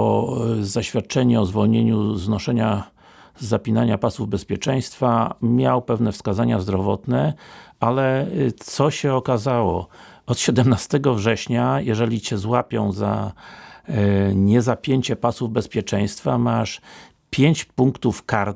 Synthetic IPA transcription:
ɔzaɕfʲjat̪̚t͡ʂɛɲɛɔzvɔlɲeɲuznɔʂɛɲa | zapʲinaɲapasuvbɛspʲjɛt͡ʂɛj̃st̪famʲjawpɛvnɛfskazaɲazd̪ɾɔvɔt̪nɛalɛt̪sɔɕɛɔkazawɔ̰ | ɔt̪ɕɛd̪ɛmnast̪ɛɡɔvʐɛɕɲajɛʐɛlʲit͡ɕɛzwapʲjɔ̃w̃za̰ | ɲɛzapʲjeɲt͡ɕɛpasuvbɛspʲjɛt͡ʂɛj̃st̪famaʂ | pʲjeɲt͡ɕpuŋkt̪ufkaɾ

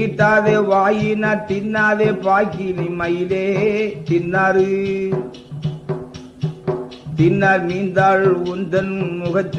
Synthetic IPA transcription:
ʈ̪ːaːðeːʋaːjinaːɾt̪ɪnːaːðeːpaːkinɪmɐjɪleːt̪ɪnːaːɾɯ | t̪ɪnːaːɾmiːnd̪aːlʊnd̪ɐnmʊɣɐt͡ʃː

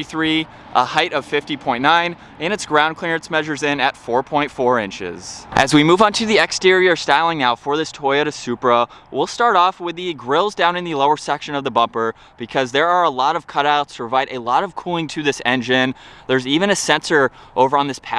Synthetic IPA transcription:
iθɹi | ʔəhaɪɾʌv̥fɪftipʰɔ̃ɪ̃nːãɪ̃n | ɨ̃nɨtsɡ̥ɹãʊ̃nkʰl̥ɪɹɨtsmɛʒə˞zɪ̃nɨtfɔɹpʰɔ̃ɪ̃ntfɔɹɪ̃nt͡ʃɪ̰z̥ʔɨzwimuṽn̩tʰɨðiɛkstɪɹiə˞staɪlˠɪ̃ŋnaʊfə˞ðɪstʰɔɪɨɾɨ̥sʉpɹəwɪlˠstɑɹɾɔfwɪðɨɡɹɪlˠzdãʊ̃nɨ̃nðɨloʊə˞sɛkʃɨ̃nʌvðəbʌ̃mpə˞ | b̥ɨkʰʌzðə˞ə˞əlɔɾʌv̥kʰʌɾaʊtspʰɹ̥əvaɪɾɨlɔɾʌv̥kʰulˠɪ̃ŋtʰɨðɪsɛ̰̃nd͡ʒɪ̃nðə˞zivɨ̃nɨsɛ̃nsə˞ʔoʊvə˞ə̃nðɪspʰæ

